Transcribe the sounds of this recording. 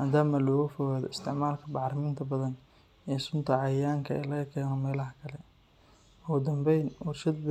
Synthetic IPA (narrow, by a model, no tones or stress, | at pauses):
maːd̪aːmɐlɔːɣʊfɔɣaːðɔɪst̪ʰɪʕmaːlkʰɐbɑʕɾɐmɪnt̪ʰɐbɐðɐn | ɛsʊnt̪ʰɐʕɑjaːŋkʰɐɛ̰ːlɐkʰɛːnɔmɛːlɐɦɐkʰɐlɛ | ʊɣʊd̪ɐmbɛjnwɑrʃɐd̪b